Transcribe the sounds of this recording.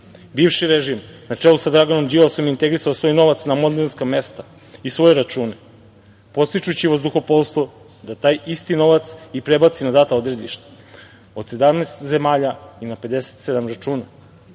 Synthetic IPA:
biːvʃiɾeʒimnat͡ʂelˠusad̪ɾaɡano̞md͡ʒiosomjint̪e̞ɡɾisaosʋo̞jno̞ʋat̪snamond̪enskame̞st̪a | isʋo̞jeɾat͡ʃuːne | po̞t̪st̪it͡ʃut͡ɕiʋozd̪uxo̞polˠst̪ʋo | d̪at̪aːjist̪ino̞ʋat̪sipɾe̞bat̪sinad̪at̪ao̞d̪ɾe̞d̪liʃt̪ḁ | o̞d̪se̞d̪amneːst̪ze̞maːʎainape̞d̪ese̥t̪sed̪amɾat͡ʃuːna

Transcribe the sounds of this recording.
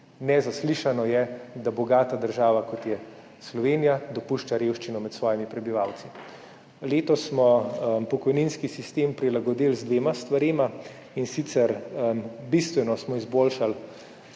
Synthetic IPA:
nɛzasliʃanɔjɛd̪abɔɡaːt̪ad̪əɾʒaːʋakɔt̪jɛ | slɔʋeːnijad̪ɔpuʃt͡ʃaɾewʃt͡ʃinɔmɛt̪sʋɔːjimipɾɛbiʋawt̪si | leːt̪ɔsːmɔpɔkɔjninskisist̪empɾilaɡɔd̪ilzd̪ʋeːmast̪ʋaɾeːma | insit̪sɛɾ | bist̪ʋɛnɔsmɔizboːlʃal

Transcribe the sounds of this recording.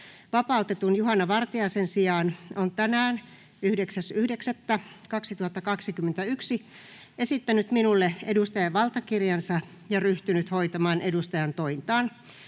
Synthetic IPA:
ʋɑpɑut̪et̪unjuɦɑnːɑʋɑrt̪iɑːsensiɑːnont̪ænæːn | yhdeksæsyhdeksæt̪ːækɑksit̪uhɑt̪ːɑkɑksikymːent̪æyksi | e̞sit̪ːænyt̪minulːeedust̪ɑjɑʋʋɑlt̪ɑkirjɑnsɑ | jɑryht̪ynyt̪ho̞it̪ɑmɑːnʔedust̪ɑjɑnt̪oint̪ɑːn

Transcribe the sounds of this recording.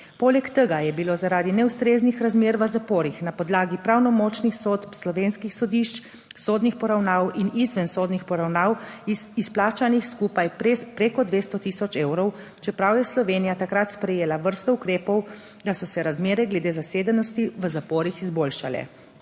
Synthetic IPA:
poːlɛkt̪əɡajɛbilozaɾaːd̪inɛust̪ɾeːznixɾazmeːɾʋəzapoːɾixnapɔd̪laːɡipɾawnɔmɔːt͡ʃnixsot̪pslɔʋeːnskixsɔd̪iʃt͡ʃ | soːd̪nixpɔɾawnaːwinizʋɛnsoːd̪nixpɔɾawnaːwisplaːt͡ʃanixskuːpajpɾepɾeːkɔd̪ʋeːst̪ɔt̪isɔt͡ʃeːwɾɔw | t͡ʃɛpɾawjɛslɔʋenijat̪akɾat̪spɾɛjeːlaʋəɾst̪ɔukɾeːpɔw | d̪asɔsɛɾazmeːɾɛɡlɛd̪eːzaseːd̪ənɔst̪iʋəzapoːɾixizboːlʃa̰lɛ̰

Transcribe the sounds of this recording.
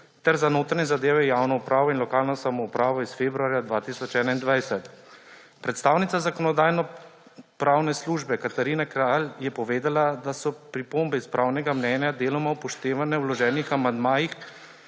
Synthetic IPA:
t̪ɛɾzanoːt̪ɾanɛzad̪eːʋɛjaːwnɔupɾaːʋɔinlɔkaːlnɔsamɔupɾaːʋɔisfeːbɾuaːɾjad̪ʋaːt̪iːsɔt͡ʃɛːnaind̪ʋajsɛt̪ | pɾɛt̪st̪aːwnit̪sazakɔnɔd̪aːjnɔ | pɾaːwnɛsluːʒbɛkat̪aɾiːnakɾaːljɛpɔʋeːd̪alad̪asɔpɾipombɛispɾʔawnɛɡamnɛːnjad̪eːlɔmawpɔʃt̪eːʋanɛwlɔʒɛːnixamand̪maːjix

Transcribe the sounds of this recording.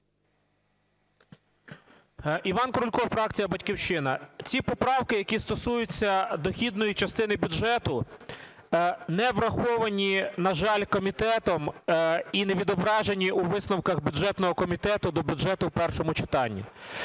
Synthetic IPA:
iʋɑnkɾʊlʲkɔfɾɑk̚t͡sʲijɐbɐtʲkʲiwʃɪnɐt͡sʲipɔpɾɑwkɪjɐkʲist̪ɔsujʊt͡sʲːɐd̪ɔxʲid̪nɔjit͡ʃɐst̪ɪnɪbʲʊdʒɛt̪ʊ | nɛʋɾɐxɔʋɐnʲinɐʒɑlʲkɔmʲit̪ɛt̪ɔm | ineʋʲid̪ɔbɾɑʒenʲiʔuʋɪsnɔwkɐɣbʲjʊʒɛt̪nɔɦɔkɔmʲit̪ɛt̪ʊd̪ɔbʲʊdʒɛt̪ʊpɛrʃɔmʊt͡ʃɪ̥t̪ɑnʲːḭ

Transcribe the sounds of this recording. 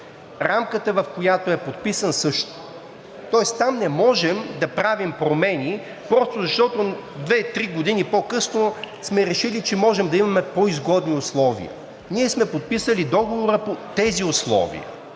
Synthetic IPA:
ɾamkət̪əvɐfkojat̪oɛpot̪pisənsɤʃt̪o̥ | t̪ɔɛst̪amnɛmɔʒɛmd̪ɐpɾavimpɾomɛni | pɾɔst̪ozɐʃt̪ɔt̪od̪vɛt̪ɾiɡod̪inipokɤsnosmɛɾɛʃilit͡ʃɛmɔʒɛmd̪ɐimɐmɛpoizɡɔd̪niʊslˠɔvḭə̰ | niɛsmɛpot̪̚pisəlid̪ɔɡovoɾəpot̪ɛziʊslˠɔ̰vḭə̰

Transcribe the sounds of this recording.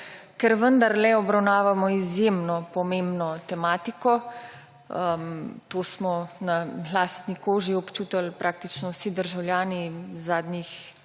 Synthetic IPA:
kɛɾʋənd̪aɾlɛɔbɾawnaːʋamɔizjemnɔpɔmẽmbnɔt̪ɛmaːt̪ikɔ | əmt̪oːsmɔnalaːst̪nikoːʒiɔpt͡ʃuːt̪əlpɾʔaːk̚t̪it͡ʃnɔwsid̪əɾʒawljaːnizaːd̪nix

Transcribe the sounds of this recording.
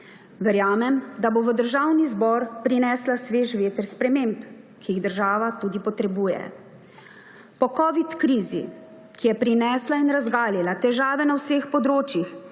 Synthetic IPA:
ʋɛɾjaːmɛmd̪aboʋəd̪əɾʒawnizbɔːɾpɾinɛːslasʋeːʒʋeːt̪əɾspɾɛmemp | kijiɣd̪əɾʒaːʋat̪uːd̪ipɔt̪ɾɛbuːjɛ̰ | pɔkɔʋit̪kɾiːzḭ | kijɛpɾinɛːslainɾazɡaːlilat̪ɛʒaːʋɛnawsexpɔd̪ɾoːt͡ʃjix

